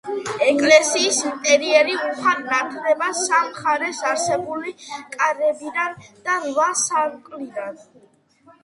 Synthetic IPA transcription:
ɛkʼlɛsiːsint̪ʼɛɾiɛɾiuχannat̪ʰɾɛbasamχaɾɛsaɾsɛbulikʼaɾɛbid̪and̪̥avasaɾkʼlid̪an

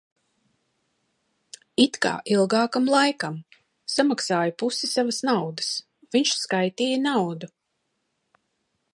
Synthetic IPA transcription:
it̪ka̰ːʔilˠɡaːkamlˠajkam | samaksaːjapusisavasnawd̪əs | viɲʃskajt̪iːjənawd̪u

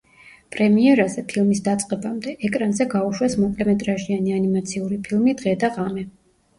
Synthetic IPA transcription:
pʼɾɛmiɛɾazɛpʰilˠmisd̪at̪sʼqʼɛbamd̪ɛʔɛkʼɾanzɛɡauʃwɛsmɔpʼlɛmɛt̪ʼɾaʒianianimat̪sʰiuɾipʰilˠmid̪ʁɛd̪aʁamɛ

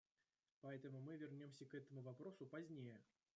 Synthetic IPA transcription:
pɐɛt̪əmʊmɨvʲɪrnʲomsʲɐkɛt̪əmʊvapɾosʊpazʲnʲejə

